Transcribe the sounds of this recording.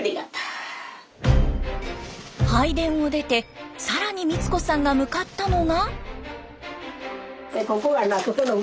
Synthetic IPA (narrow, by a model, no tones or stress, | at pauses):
ɾʲid̪at̪ːḁ | haid̪ẽ̞ɰ̃o̞d̪e̞t̪e̞saɾaɲ̟imʲit͡sɨ̥ko̞sãŋɡamɯ̟kat̪ːano̞ŋa | ekokoɡanakot̪ono